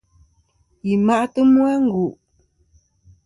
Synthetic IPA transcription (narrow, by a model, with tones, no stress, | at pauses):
i˨ma˦˨ʔtə˦mwa˦ŋ̩˦ɡu˨ʔ